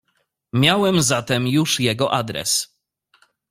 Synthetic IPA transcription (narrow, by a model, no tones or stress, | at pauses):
mʲjawɛmzat̪ɛmjuʂjɛɡɔʔad̪ɾɛ̰s